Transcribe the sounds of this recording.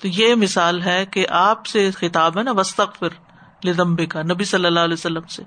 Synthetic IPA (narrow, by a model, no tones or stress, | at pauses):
t̪ojemɪsaːlɦɛkeʔaːpsexɪt̪aːbɦɛnaʋɐst̪ɐɣfɪɾ | lɪðɐ̃mbɪkanɐbisɐlːəlːaːɦlɛsɐlːəmse